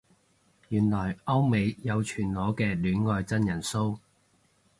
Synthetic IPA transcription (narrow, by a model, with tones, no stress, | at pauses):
jyː˨˩nlɔː˨˩jʔɐ˥wme˨˧jjɐ˨˧wt͡ʃʰyː˨˩nlɔː˨˥kɛː˧lyː˨˥nŋɔː˧jt͡sɐ˥njɐ˨˩nso˥w